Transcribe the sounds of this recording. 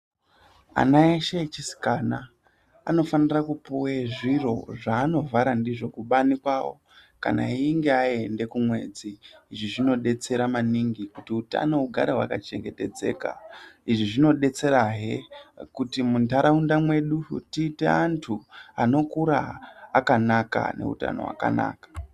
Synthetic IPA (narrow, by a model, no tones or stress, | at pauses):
a̰naeʃet͡ʃisi̥kaːna | ano̞fanirakupoweʐiro̞̰ʐaːno̞vaɾandiʐo̞kuɓanikwawo̞̰ | ka̰na̰iŋɡe̞ae̞nde̞kumwe̞̰ːd͡ziːʐiʐino̞ɗe̞t͡se̞ɾamaniŋɡikutiuta̰no̞uɡʱaɾewa̰kat͡ʃe̞̰ŋɡe̞te̞d͡ze̞̰ːka̰iʐiʐino̞ɗe̞t͡se̞ɾaɦe̞kutimuntaɾaundamwe̞ɗutiːtḛantʰuano̞kuɾa̰ːkanaka̰ne̞̰ṵta̰no̞̰wa̰ka̰na̰ːkḁ